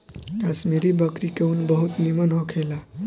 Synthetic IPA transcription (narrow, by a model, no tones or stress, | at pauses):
asmiɾibəkɾikeunbəɦut̪nimənɦokʰela